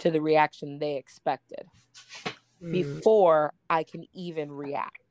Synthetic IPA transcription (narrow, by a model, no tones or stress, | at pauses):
tʰɨðɨɹiækʃɨ̃nðeɪɨkspɛk̚tɨɪ̰d̥̚ | b̥ɨfɔɹʔaɪkʰɨ̃nivɨ̃nɹiæ̰k̚t̚